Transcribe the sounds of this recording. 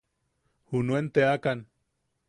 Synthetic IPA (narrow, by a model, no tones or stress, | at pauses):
hunuent̪eakan